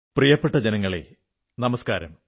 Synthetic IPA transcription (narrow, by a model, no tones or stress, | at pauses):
prijɐpːeʈːɐd͡ʑenɐŋːɐɭḛ | nɐmɐskaːɾɐ̰m